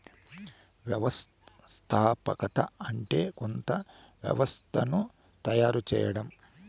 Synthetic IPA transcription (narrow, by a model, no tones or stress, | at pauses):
ʋjɐʋɐs | t̪ʰaːpɐkɐt̪ɐɐɳʈe̞ːkont̪ɐ | ʋjɐ̰ʋɐst̪ʰɐnu | t̪ɐjaːɾut͡ʃɛ̰ːjɐɽɐm